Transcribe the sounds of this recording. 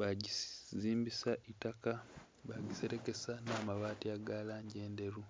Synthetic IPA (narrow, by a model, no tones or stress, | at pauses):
βaɟiziːmbisaʔitaka | βaɟise̞ɾe̞ke̞sanaːmaβaːtiaɡaːlaːɲɟe̞ːnde̞ɾu